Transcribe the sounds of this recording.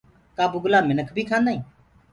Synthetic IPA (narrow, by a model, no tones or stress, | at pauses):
kaːbuɡʊlaːmɪnəkʰbʱiːkʰãːnd̪aːĩː